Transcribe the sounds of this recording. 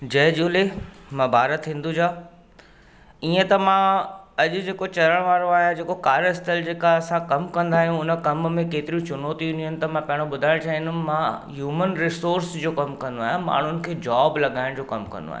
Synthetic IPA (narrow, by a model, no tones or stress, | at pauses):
d͡ʑɐɦd͡ʑuːlemãbʱaːɾət̪ɦĩːn̆d̪ud͡ʑaː | iːə̃t̪ɐmãɐʄʊ̆d͡ʑeːkot͡ɕɐɾəɽ̃ʋaːɾõaːɦjãd͡ʑeːkokaːɾəɪst̪əld͡ʑeːkaɐsãkɐmkɐ̃nd̪aːɦjũʊnəkɐmmẽkeːt̪ɪɾĩt͡ɕʊnɔːt̪iʊnijənɪ̆t̪ɐmãpɐɦɪɽ̃õɓʊd̪ʱaːɪ̃ɽ̃t͡ɕʰaːɦɪ̃nʊmːãɦjuːmənɾɪsoːɾsd͡ʑoːkɐmkɐ̃nd̪oaːɦjãma̰ːɳ̤ʊnɪ̆kʰeːd͡ʑaːblɐɠaːɪ̃ɽ̃d͡ʑoːkɐmkɐ̰̃nd̪o̰a̰ːɦj̰̃